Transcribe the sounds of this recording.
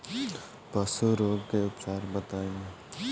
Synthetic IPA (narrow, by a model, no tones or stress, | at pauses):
pəsuɾoːɡkeʊpsaːɾbət̪aːẽ